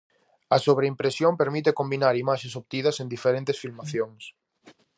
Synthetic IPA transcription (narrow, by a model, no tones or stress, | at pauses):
ɐsoβɾeimpɾesjompeɾmit̪ekombinaɾimaʃesopt̪ið̞ɐsẽnd̪ifeɾẽnt̪esfilmaθjoŋs